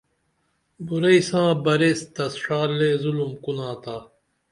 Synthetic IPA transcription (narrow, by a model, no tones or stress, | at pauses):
buɾɐisãːbɐɾeːst̪ɐsʂaːɾleːzulumkunãːt̪aː